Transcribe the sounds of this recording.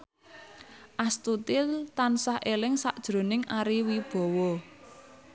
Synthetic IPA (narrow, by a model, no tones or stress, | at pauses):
ʔast̪ut̪ilt̪ansahʔelɪŋsaʔd̥ʒ̥ɾo̤nɪŋʔaɾiwib̥ɔ̤wɔ